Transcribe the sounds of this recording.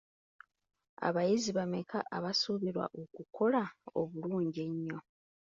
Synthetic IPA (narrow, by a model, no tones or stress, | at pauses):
a̰βajiziβame̞kʰaʔːβasuβiɾwa̰ʔokukʰo̞laoβuluːɲɟe̞ɲːo̞